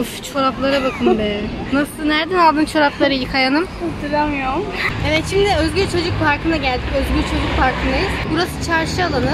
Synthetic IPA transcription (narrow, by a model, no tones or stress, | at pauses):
ft͡ʃʰoɾaplˠaɾabakʰɯmmbɛnasɯnæɾd̪ænalˠd̪ɯnt͡ʃʰo̞ɾaplˠaɾɯjikʰajanɯm | d̪iɾamjoevɛt̪ʃimd̪ɪøzɡʲylt͡ʃʰo̞d͡ʒukfaɾkɯnaɟælʲd̪icøzɡylt͡ʃʰo̞d͡ʒukfaɾkʰɯnd̪ajɯz̥buɾasɯ̥t͡ʃʰaɾʃɯalˠanɯ